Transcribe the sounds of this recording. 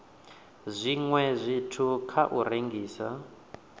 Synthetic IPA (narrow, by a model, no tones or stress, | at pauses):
zʷiŋwɛzʷitʰukʰaʔuɾeŋɡiːsa